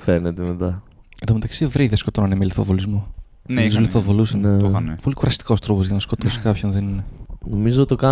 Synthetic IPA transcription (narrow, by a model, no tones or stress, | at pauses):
fenet̪emet̪ɐed̪ome̞t̪ɐksivɾiðesko̞t̪onɐnemeliθovolizmo | nsoliθovolusɐonpo̞likuɾɐst̪i̥ko̞st̪ɾopozʝɐnɐsko̞t̪osi̥kɐpçonðeninenomizot̪okɐ